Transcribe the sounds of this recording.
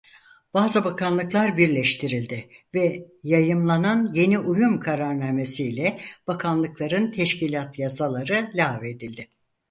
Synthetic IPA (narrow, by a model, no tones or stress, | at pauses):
b̥aːzɯbakʰanlˠɯklˠaɾbiɾlʲɛʃt̪ʰiɾilʲd̪ɪvɛjajɯmlˠananje̞niʔujumkʰaɾaɾnaːmesiːlʲɛb̥akʰanlˠɯklˠaɾɯnt̪ʰɛʃcilʲat̪ʰjasalˠaɾɯlʲaːved̪ilʲd̪ɪ